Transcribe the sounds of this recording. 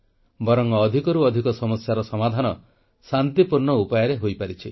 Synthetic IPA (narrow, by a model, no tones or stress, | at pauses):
bɔɾɔŋːd̪ʱikɔɾuɔd̪ʱikɔsɔmɔsjaɾɔsɔmad̪ʱanɔ | sant̪ipuɾɳɔupɔjɔɾeɦojpaɾit͡ʃʰi